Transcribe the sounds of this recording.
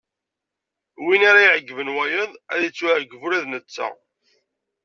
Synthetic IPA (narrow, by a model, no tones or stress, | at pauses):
winaɾajʕəɡːvənwæjəðˤæðjət͡sːwʕəɡːəvuɾæðnət͡sːa̰